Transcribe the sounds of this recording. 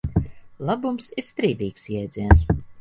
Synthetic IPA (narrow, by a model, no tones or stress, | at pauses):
lˠabumsiɾst̪ɾiːd̪iːksjɛjd̪zʲiɛns